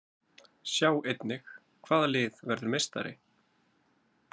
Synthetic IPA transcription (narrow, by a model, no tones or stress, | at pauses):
sjaːwejt̪nɪx | kʰv̥aːðalɪːðvɛɾðʏɾmejst̪a̰ɾɪ̰